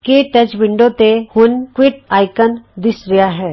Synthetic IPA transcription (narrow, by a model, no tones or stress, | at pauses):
keʈət͡ʃʋɪ̃ɳɖõt̪ehʊnkwɪʈaːɪkənd̪ɪsɾɪjaɦɛː